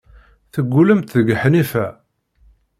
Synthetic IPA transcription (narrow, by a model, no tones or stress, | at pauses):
θəɡːuləmt̪ðəɡħnifæ